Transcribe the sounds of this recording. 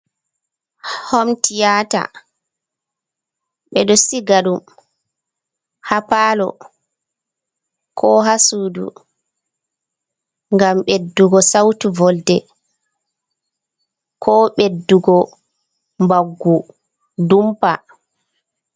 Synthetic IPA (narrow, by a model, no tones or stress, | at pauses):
hɔmtijaːta̰ | ɓɛɗɔsiɡaɗum | hapaːlɔ̰ | kʰɔɦasuːdṵ | ŋɡamɓedːuɡɔsawtuvɔldɛ | kʰɔːɓedːuɡɔ | mbaɡːu | dumpa̰